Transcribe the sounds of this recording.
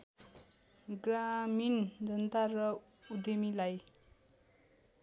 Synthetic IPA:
ɡɾamind͡zʌnt̪aɾʌ | ud̪emilaj

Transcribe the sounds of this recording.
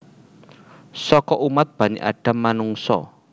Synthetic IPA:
sɔkɔʔumat̪̚b̥ä̤ɲḛʔa̰ɖ̥a̤mːanuŋsɔ̰

